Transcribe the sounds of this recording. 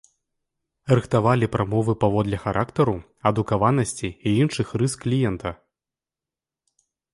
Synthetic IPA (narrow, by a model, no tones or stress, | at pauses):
rɨxt̪avalʲipɾamɔvɨpavɔd̪lʲɛxaɾʔakt̪ɐɾu | ɐd̪ukavanɐsʲt͡sʲiːinʂɨxrɨskːlʲijɛnt̪ɐ